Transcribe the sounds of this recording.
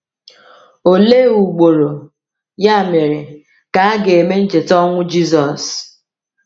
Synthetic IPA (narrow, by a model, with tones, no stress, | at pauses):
o˨le˦u˨ɡ͡bo˨ɾo˨ | ja˦˨me˨ɾe˨ | ka˨a˦ɡe˨e˨me˦n̩˦t͡ʃe˨tɔ˦ŋʷʊ˦d͡ʒi˦sɔ˨s